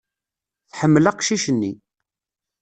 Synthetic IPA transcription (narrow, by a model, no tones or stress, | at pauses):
θħəmːəlaqʃiʃənːi